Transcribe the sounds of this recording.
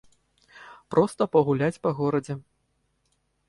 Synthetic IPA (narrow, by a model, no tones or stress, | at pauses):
pɾɔst̪ɐpɐɣulʲat͡sʲpɐɣɔɾɐd͡zʲɛ